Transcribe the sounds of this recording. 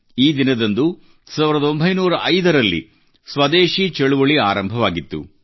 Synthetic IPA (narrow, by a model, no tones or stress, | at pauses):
iːd̪inɐd̪ɐnd̪u | saːʋiɾɐd̪ɐo̞mbʱɐjnuːɾɐʔɐjd̪ɐɾɐlːḭ | sʋɐd̪eːʃit͡ʃɛɭuʋɐɭiaːɾɐmbʱɐʋaːɡit̪ːṵ